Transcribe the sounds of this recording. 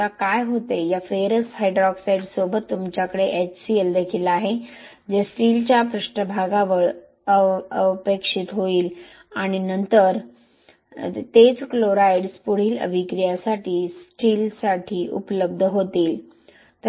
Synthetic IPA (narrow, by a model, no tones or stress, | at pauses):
akajɦot̪ejafeɾəshajɖɾɔksajɖsobət̪ːumt͡ɕjakəɽeʔet͡ɕsield̪ekʰiːlaɦe | d͡ʑesʈiːlt͡ɕjapɾuʂʈəbʱaɡaʋəɭ | əəpekʂit̪ɦoiːl | aɽ̃inənt̪əɾ | t̪et͡skloɾaiɽspuɽ̤iːlə̰ʋʱikɾijasaʈʰiːsʈiːlsaʈʰiːʔṵpləb̚d̪ʱəɦot̪iːl | t̪